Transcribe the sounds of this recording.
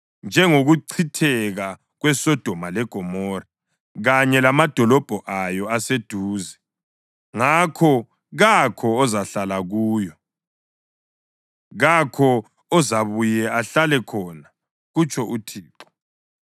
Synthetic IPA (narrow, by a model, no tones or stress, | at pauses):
nd͡ʒʱɛŋoɣuǀʰitʰɛɣa | ɣwɛsɔd̥ʱɔmalɛɡ̥ʱɔmɔra | ɣaɲɛlamad̥ʱɔlɔb̥ʱɔʔajɔased̥ʱuːzɛ | ŋakʰɔ | ɣakʰɔːzaɬalaɣuːjɔ | ɣakʰɔ | ɔzaβujɛaɬalɛkʰɔːna | ɣut͡ʃʼʰɔʔutʰiːǁɔ̥